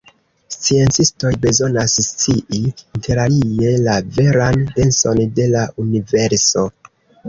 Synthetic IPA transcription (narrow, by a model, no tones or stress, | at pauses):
st͡sie̞nt͡sisto̞jbe̞zo̞nasst͡siʔiinte̞ɾalije̞lave̞ɾande̞nso̞nde̞laʔunive̞ɾso̞